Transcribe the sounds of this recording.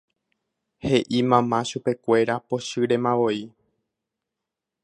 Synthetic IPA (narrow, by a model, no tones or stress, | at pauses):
he̞ʔimãmãʃupe̞kʷe̞ɾapo̞ʃɨɾe̞mãʋo̞i